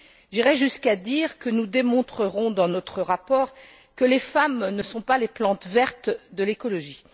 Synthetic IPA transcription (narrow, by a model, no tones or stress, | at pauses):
ʒiʁɛʒyskad̪iʁkənud̪emɔ̃t̪χəʁɔ̃d̪ɑ̃nɔt̪χəʁapɔːʁ | kəlefamnəsɔ̃paleplɑ̃t̪vɛʁt̪d̪əlekɔlɔʒi